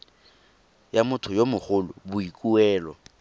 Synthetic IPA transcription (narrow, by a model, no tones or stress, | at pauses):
jamʊtʰʊjomʊχʊlʊ̰bʊikʼuɛːlɔ̰